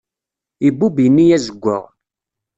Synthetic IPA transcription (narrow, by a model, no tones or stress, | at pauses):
ibːubjənːijæzəɡʷːə̰ʁ